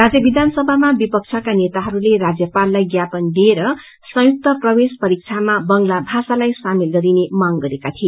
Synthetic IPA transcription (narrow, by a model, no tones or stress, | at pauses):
rad͡zjʌbid̪ʱansʌbʱamabipʌk̚t͡sʰʌkanet̪aɦʌɾulerad͡zjʌpalːajɡjapʌnd̪ieɾʌ | sʌ̃juk̚t̪ʌprʌwespʌɾik̚t͡sʰamabʌŋlabʱasalajsamilɡʌɾinemaŋɡʌɾekat̪ʰie